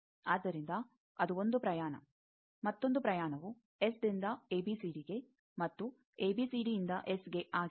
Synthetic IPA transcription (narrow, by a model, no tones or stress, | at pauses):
aːd̪ːɐɾind̪ɐ | ɐd̪uo̞nd̪upɾɐjaːɳɐ̰ | mɐt̪ːo̞nd̪upɾɐjaːɳɐʋu | esd̪ind̪ɐeːbisiːɖiɡe̞ | mɐt̪ːu | eːbiːsiːɖiind̪ɐʔesɡe̞ʔaːɡ